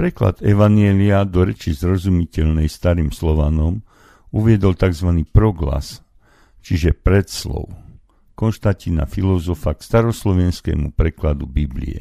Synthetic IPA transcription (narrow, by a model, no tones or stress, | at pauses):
pɾɛkla̰d̪ɛʋaɲɪɛliad̪ɔɾɛt͡ʃizɾɔzumicɛʎnɛjst̪aɾiːmslɔʋanɔm | uʋɪɛd̪ɔlt̪aɡzʋaniːpɾɔɡla̰s | t͡ʃiʒɛpɾɛt̪slɔ̰ʊ | kɔnʃt̪acina̰filɔzɔfakst̪aɾɔslɔʋɛnskɛ̰ːmupɾɛklad̪ubiblḭɛ̰